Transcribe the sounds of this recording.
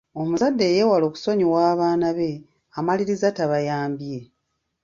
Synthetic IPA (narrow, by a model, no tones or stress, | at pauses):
o̞muzadːe̞jeːwalo̞ːku̥so̞ɲiwaːβaːnaβe̞ | amaliɾizataβajaːmbije̞